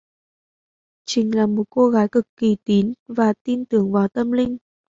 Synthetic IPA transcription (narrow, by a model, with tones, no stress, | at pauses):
t͡ɕï˨˧˩ŋ̟laː˨˩mo˨˩t̚ko˧ɣaː˨˦jkɨ˨˩kːi˧˩t̪i˨˦nvaː˨˩t̪i˧nt̪ɨ˨˦əŋvaː˨˩wt̪ə˧mlï˧ŋ̟